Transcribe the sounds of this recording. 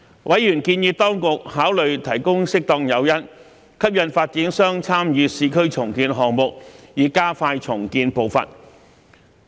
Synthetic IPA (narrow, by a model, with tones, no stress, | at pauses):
wʔɐ˨˥jjyː˨˩nkiː˧njiː˧p̚t̪ɔː˥ŋkʊ˨k̚haː˨˥wlɵ˨ɥt̪ʰɐ˨˩jkʊ˥ŋsɪ˥k̚t̪ɔː˧ŋjɐ˨˧wjɐ˥n | kʰɐ˥p̚jɐ˨˧nfaː˧t̚t͡siː˨˥nsœː˥ŋt͡sʰaː˥mjyː˨˧siː˨˧kʰɵ˥ɥt͡sʰʊ˨˩ŋkiː˧nɦɔː˨ŋmʊ˨k̚jiː˨kaː˥faː˧jt͡sʰʊ˨˩ŋkiː˧npo˨wfɐ̰˨n